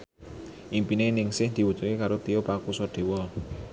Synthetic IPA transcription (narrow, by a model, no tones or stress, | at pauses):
ʔimpinenɪŋsɪhd̪̥i̤wu̥t͡ʃʊkekaɾot̪ijopakusɔɖ̪̥e̤wɔ